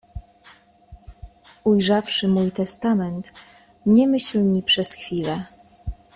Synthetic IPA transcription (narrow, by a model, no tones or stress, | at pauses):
ujʐafʂɘmujt̪ɛst̪amɛnt̪ | ɲɛmɘɕlɲipʂɛsxfʲilɛ